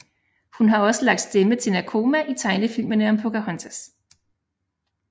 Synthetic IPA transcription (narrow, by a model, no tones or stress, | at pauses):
hunɦɑ̈ɒ̽səlɑɡ̥̚d̥sd̥emət͡sʰe̝nækʰo̝ːmæʔit͡sʰɑ̈ɪnəfil̰mənəɒ̽mpʰokæhɔnsʰæs